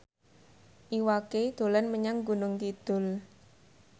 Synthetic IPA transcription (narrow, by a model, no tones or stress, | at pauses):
ʔiwaked̪̥o̤lanməɲaŋɡunʊŋt̪id̪̥ʊ̤l